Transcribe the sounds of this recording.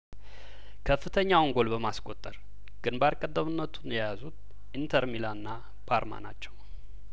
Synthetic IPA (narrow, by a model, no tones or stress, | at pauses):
kʰəfːɨt̪ʰəɲːawɔŋɡo̞lbəmaskʼo̞t̪ʼːəɾ | ɡ̥ɨnbaɾkʼəd̪ːəmɨnːət̪ʰunjɛjazut̪̚ | ʔint̪ʰəɾmilaɨnːa | pʰaɾma̰na̰t͡ʃːɛw